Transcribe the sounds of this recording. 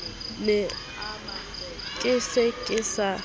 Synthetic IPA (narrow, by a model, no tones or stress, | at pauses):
nɛ | kʼɪsekʼɪsa